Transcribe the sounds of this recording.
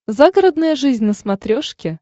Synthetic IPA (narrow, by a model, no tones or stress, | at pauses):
zaɡəɾəd̪nəjəʐɨzʲnʲnəsmɐt̪ɾʲoʂkʲɪ